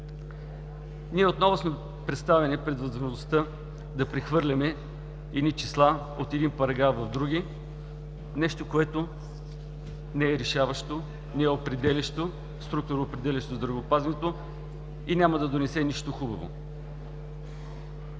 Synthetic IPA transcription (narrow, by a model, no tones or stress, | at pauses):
niɛot̪nɔvʊsmɛ | pɾɛt̪st̪avɛnɛpɾɛd̪vɐzmoʒnost̪ə | d̪ɐpɾɛxvɤɾlʲɐmɛ | ɛd̪nit͡ʃislˠa | ot̪ɛd̪inpɐɾɐɡɾafvɐvd̪ɾuɡ̟i | nɛʃt̪okoɛt̪o | nɛɛɾɛʃavɐʃt̪o | nɛɛopɾɛd̪ɛlʲiʃt̪o | st̪ɾuk̚t̪oɾoːpɾɛd̪ɛlʲiʃt̪ozd̪ɾɐvoːpazinɛt̪o | inʲamɐd̪ɐd̪onɛsɛniʃt̪oxubɐvo̰